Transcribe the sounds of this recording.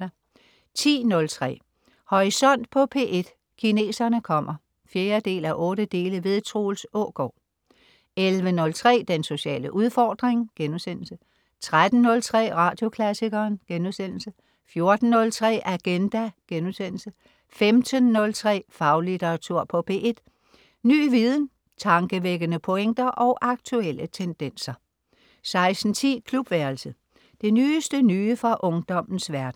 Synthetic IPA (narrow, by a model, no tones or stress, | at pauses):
t͡sʰḭːnɔ̽lt͡sʰʁɛ̰ː | hɒʁisɒ̽n̰d̥̚pʰɒ̽pʰe̝ːʔe̝d̥ | kʰine̝̰ːsɐnəkʰɒ̽m̰ɐ | fjeːɐd̥e̝̰ːlæʔɔ̽ːɾəd̥e̝ːləʋe̝ðˠt͡sʰʁo̰ːl̩sɔ̰ɡ̥ɒ̰ː | elʋənɔ̽lt͡sʰʁɛ̰ːd̥enso̝ɕɛ̰ːləʔuð̞ˠfɒːd̥ʁeŋɡ̥enuðˠsen̰l̩sə | t͡sʰʁad̥n̩ːɔ̽lt͡sʰʁɛ̰ːʁɑ̈d̥jo̝kʰlæsiɡ̥ɐːnɡ̥enuðˠsen̰l̩sə | fjo̝ɐd̥n̩ːɔ̽lt͡sʰʁɛ̰ːʔæɡ̥end̥æɡ̥enuðˠsen̰l̩sə | femd̥ənːɔ̽lt͡sʰʁɛ̰ːfɑ̈ʊlit͡sʰeʁɑt͡sʰuɐ̰pʰɒ̽pʰe̝̰ːʔe̝d̥ | ny̰ːʋið̞ˠn̩ | t͡sʰɑ̈ŋɡ̥əʋeɡ̥ənəpʰɔ̽eŋ̰d̥ɐʔɒ̽ʊʔɑ̈ɡ̥t͡sʰuel̰ət͡sʰend̥en̰sɐ | sɑ̈ɪsn̩t͡sʰḭːkʰlub̥ʋæɐlsə | d̥e̝nyːsd̥ənyːfʁɑ̈ʔɔ̽ŋd̥ɒ̽m̰n̩sʋæɐd̥n̩